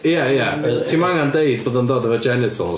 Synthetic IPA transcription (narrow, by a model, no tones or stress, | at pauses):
jɛjɛtʰiːmaŋandejd̚boːdəndoːdəvəd͡ʒɛnɪtʰə̰lˠ